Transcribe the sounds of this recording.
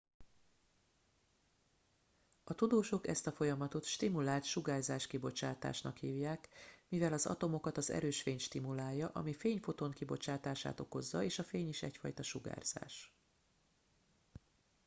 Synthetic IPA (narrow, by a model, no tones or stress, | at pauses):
ɒt̪ud̪oːʃokɛst̪ɒfo̞jɒmɒt̪o̞t̪ʃt̪imulaːlt̪ʃuɡaːrzaːʃkibo̞t͡ʃaːt̪a̰ːʃnɒkhiːvjaːkmivɛlɒzɒ̰t̪o̞mo̞kɒt̪ɒzɛ̰ɾøːʃfeːɲʃt̪imulaːjːɒʔɒ̰mifeːɲfo̞t̪o̞ŋkibo̞t͡ʃaːt̪aːʃa̰ːt̪o̞ko̞zːɒeːʃɒfeːɲiʃɛ̰cfɒ̰jt̪ɒʃuɡa̰ːrz̥a̰ːʃ